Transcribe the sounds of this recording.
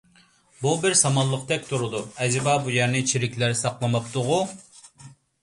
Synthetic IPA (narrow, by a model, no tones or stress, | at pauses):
bubɪɾsɑmɑlˠːəqt̪ʰɛk̚ʲt̪ʰuɾʊd̪uɛzɪbɑbujɛɾnɪt͡ʃʰiɾɪkʲlɪɾsɑqlˠɨmɑpt̪ʊʁʊ